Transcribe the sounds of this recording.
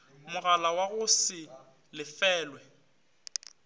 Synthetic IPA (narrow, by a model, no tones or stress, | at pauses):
mʊɣalawaɣʊsɪ | lɪfɛːlwɛ